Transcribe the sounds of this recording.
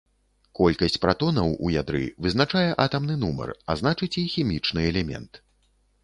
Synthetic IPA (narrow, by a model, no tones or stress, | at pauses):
kɔlʲkɐsʲt͡sʲpɾat̪ɔnɐwṵjad̪ɾɨ̰vɨznat͡ʂajɛʔat̪ɐmnɨn̪umɐ̰raznat͡ʂɨt͡sʲixʲimʲit͡ʂnɨɛlʲɛmʲɛ̰nt̪